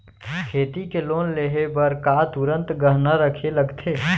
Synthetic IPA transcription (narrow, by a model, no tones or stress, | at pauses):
kʰeːt̪ikeloːnleɦebəɾkat̪uɾə̃nt̪ɡəɦnaɾəkʰeləɡt̪ʰeː